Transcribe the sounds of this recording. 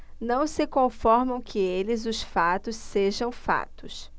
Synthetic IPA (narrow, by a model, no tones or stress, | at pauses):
nɐ̃w̃sɪkõfɔɾmɐ̃w̃kʰɪelɪzʊsfat̪ʊsseʒɐ̃w̃fa̰t̪ʊs